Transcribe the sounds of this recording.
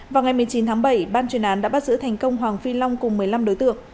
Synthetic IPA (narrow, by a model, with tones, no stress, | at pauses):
vaː˨˩wŋa˨˩jmɨ˨˩əjt͡ɕi˨˦nt̪ʰaː˨˦ŋɓə˧˩jɓaː˧nt͡ɕwi˨˩ənʔaː˨˦nɗa̰ː˧˥ɓa˦˥t̚zɨ̰˧˥t̪ʰɛ˨˩jŋ̟kə˧wŋ͡mɦwaː˨˩ŋfi˧la˧wŋ͡mkʊ˨˩ŋ͡mmɨ˨˩əjla˧mɗo˨˦jt̪ɨ̰˧˨əŋ